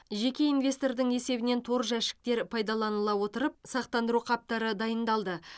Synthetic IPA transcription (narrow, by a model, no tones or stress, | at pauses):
ʒe̞kʲe̞invʲe̞st̪o̞rd̪əɴe̞se̞bɪne̞nt̪ʰo̞ɾʒæʃɪ̥k̚t̪e̞ɾpʰɑjd̪ɑlˠɑnəlˠɑwo̞t̪əɾəp̚sɑqt̪ɑnd̪əɾuqʰɑp̚t̪ɑɾəd̪ɑjənd̪ɑlˠd̪ə